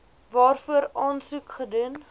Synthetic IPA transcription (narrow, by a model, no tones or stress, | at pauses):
vɑːrfuəɾɑːnsukχədun